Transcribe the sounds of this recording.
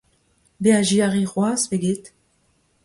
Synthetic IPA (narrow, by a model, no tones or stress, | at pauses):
beaʒiaʁiʁwasveɡʲet̪